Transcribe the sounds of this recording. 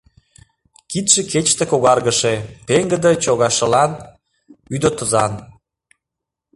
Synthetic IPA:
kit̪ʃeket͡ɕt̪ekoɣɑrɣəʃepeŋɡəd̪ət͡ɕoɣɑʃə̆lɑn | yd̪ot̪əzɑn

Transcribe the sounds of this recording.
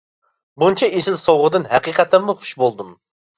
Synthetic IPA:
bunt͡ʃʰɛʔezɪlsowʁəd̪ɨnɦɛqiqɑt̪ɨmːʊχʊ̥ʃbolˠd̪um

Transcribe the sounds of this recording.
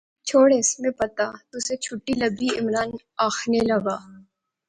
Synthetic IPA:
t͡ʃʰoːɽeɪsmẽpɐt̪at̪ʊset͡ʃʰʊʈːilɐbiɪmɾaːn | aːxnelɐɡaː

